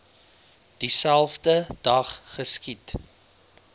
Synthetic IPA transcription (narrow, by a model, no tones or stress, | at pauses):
d̥isælˠfdədɐχːəskit